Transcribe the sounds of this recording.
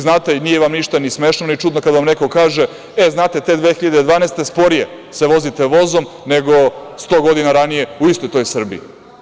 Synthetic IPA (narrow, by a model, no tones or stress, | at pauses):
znaːt̪einijeʋamniʃt̪anismeːʃnonit͡ʂud̪nokad̪aʋamne̞ko̞kaːʒe̞ | eznaːt̪e̞t̪e̞d̪ʋexiʎad̪ed̪ʋaːnest̪e̞spo̞ɾije | saʋo̞zit̪eʋo̞zo̞m | neɡo̞st̪o̞ːɡo̞d̪inaɾanije̞uist̪o̞jt̪o̞jsr̩bḭː